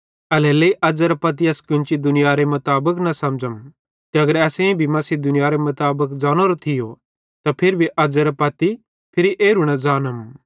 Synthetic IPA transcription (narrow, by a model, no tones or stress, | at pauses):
ɐlɛleiʔɐd͡ʒɐɾɐpɐt̪̬iɐskɪnt͡ʃid̪ʊnɪjaɾemɐt̪aːbəknɐsɐmd͡ʒəm | k̪iɐɡəɾɛːsẽbʱimɐsid̪ʊnɪjaɾemɐt̪aːbəkd͡zaːñoɾot̪ʰɪjo | t̪apʰɪɾbʱiʔɐd͡zəɾpɐt̪i | pʰɪɾiʔeːɾuɽ̃ɐd͡zaːnəm